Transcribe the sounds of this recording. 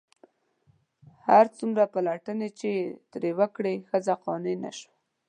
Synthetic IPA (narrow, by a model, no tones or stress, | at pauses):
haɾt͡sumɾapalaʈənet͡ʃet̪ɾewakɽexəzaqɑnena̰ʃwa